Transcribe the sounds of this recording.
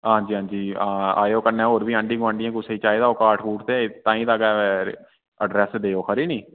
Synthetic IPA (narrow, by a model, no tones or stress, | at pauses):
ɦãːd͡ʒiːɦãːɲd͡ʒiːaa̰ːjoːkənːẽːɦoːɾbiːãːɳɖĩːɡʊʋaːɳɖɪjãːkʊseːiːt͡ʃaːed̪aːoːkaːʈʰkuːʈʰt̪eːt̪ãːĩːd̪aɡaɛɾ | əɖɾɛːsd̪eːoːkʰəɾiːniː